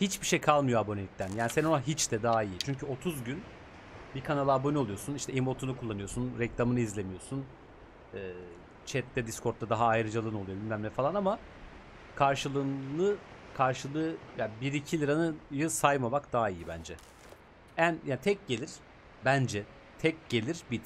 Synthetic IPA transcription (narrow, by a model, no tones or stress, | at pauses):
hit͡ʃbiʃejkʰalˠmɯjoabo̞nelʲic̚t̪ʰænjaːnisenonaɦit͡ʃd̪ɛd̪aɦaijit͡ʃʰyɲcyo̞t̪ʰuzɟyn | bikʰanalˠɯabo̞nioujo̞suniʃt̪ʰɛimo̞t̪ʰunukʰulˠːanɯjo̞sunɾɛclʲˠamɯnɯizlʲe̞mijo̞sun | ɛː | t͡ʃʰɛt̪lːʲɛd̪iskʰo̞ɾt̪ːad̪aɦaːjɾɯd͡ʒalˠɯnolˠujoimmʲæmlʲɛfalˠanama | kʰaɾʃɯlˠɯːnɯkʰaɾʃɯlˠɯjabiɾicʰilʲiɾanɯjɯsajmamakd̪aɦaijibænd͡ʒɛ | ænjaːnit̪ʰɛc̚ɟe̞lʲiɾ̥ | bænd͡ʒɛ | t̪ʰɛc̚ɟ̥e̞lʲiɾ̥bi